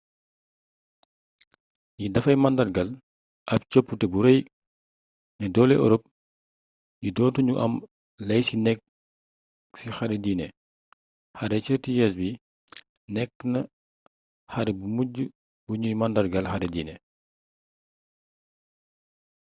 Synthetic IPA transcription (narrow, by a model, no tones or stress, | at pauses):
jidɐfɐjmɐndɐrɡɐl | ʔɐp̚t͡ʃɔpːutɛbuɾɐj | nɛdɔlɛʔɔ̰ɾɔp̚ | jidɔːtuɲuʔɐ̰m | lɐjsinɛk̚ | sixɐɾɛdiːnɛ | xɐɾɛt͡ʃəɾtijɛs̬bi | nɛkːnɐ | xɐɾɛbumuɟu | buɲujmɐndɐrɡɐlxɐɾɛdiːnɛ